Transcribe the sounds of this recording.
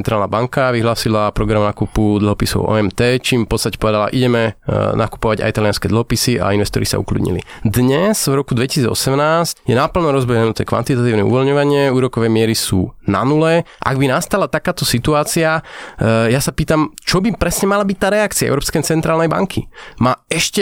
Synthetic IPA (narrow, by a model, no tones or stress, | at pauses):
ɛnt̪ɾaːlnabaŋkaʋiɦlaːsilapɾɔɡɾamnakupud̪l̩ˠɦɔpisɔ̰ʊʔɔ̰ɛmt̪ɛːt͡ʃiːmfpɔt̪t͡sst̪acɛpɔʋɛd̪ala̰ʔiɟɛmɛna̰ku̥pɔʋaɟa̰it̪aliɪanskɛd̪l̩ɦɔpisia̰inʋɛst̪ɔɾisa̰ṵklṵd̪ɲḭlḭd̪ɲɛz̥vɾɔkud̪ʋɛci̥siːd͡zɔ̰sɛmnaːscjɛnapl̩nɔɾɔzbɛɦɛnut̪ɛkʋa̰nt̪it̪at̪iːʊnɛ̰ṵʋɔlɲɔʋaɲɪɛuːɾɔkɔʋɛmɪɛɾisṵːna̰nulɛʔa̰ɡbinast̪alat̪akaːt̪ɔsit̪uaːt͡sia | jasapiːt̪amt͡ʃɔbipɾɛsɲɛmalabic̚t̪aːɾɛakt͡siaɛ̰ʊɾɔpskɛjt͡sɛnt̪ɾaːlnɛjba̰ŋkʰḭmaːɛʃcɛ